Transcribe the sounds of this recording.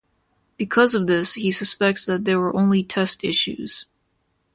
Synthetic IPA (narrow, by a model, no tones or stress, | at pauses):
b̥ɨkʰʌzʌvðɪshisɨspɛk̚tsðɨt̪̚ðə˞wə˞ʔõʊ̃nlitʰɛstɪʃʉ̰z̥